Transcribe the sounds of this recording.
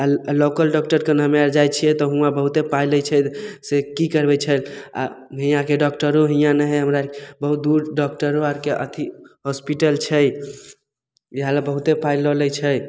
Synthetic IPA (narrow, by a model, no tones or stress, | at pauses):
alokəlɖɔk̚ʈəɾkenɦəmaɾd͡ʒajt͡ʃʰijɛt̪ɔɦũãbəɦut̪epailəjt͡ʃʰɛsekikəɾbɛt͡ʃʰəla̰ɦĩjãkeɖɔkʈəɾoɦijãnəɦɛɦəmɾabəɦut̪̚d̪uɾɖɔkʈəɾoaɾkeʔə̰t̪ʰiɦɔspiʈəlt͡ʃʰɛj | iɦalabəɦut̪epailɔlɛt͡ʃʰəj